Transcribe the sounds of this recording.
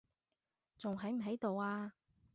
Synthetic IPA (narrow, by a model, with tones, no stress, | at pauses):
t͡sʊ˨ŋɦɐ˨˥jm̩˨˩ɦɐ˨˥jt̪o˨waː˧